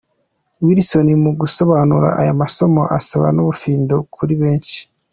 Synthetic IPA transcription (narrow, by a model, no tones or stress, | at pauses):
wiɾiso̞nimuɡuso̞βaːnuɾa̰ʔajamaso̞mo̞̰ʔasaβa̰nuβufiːndokʰuɾiβe̞ːnʃi̥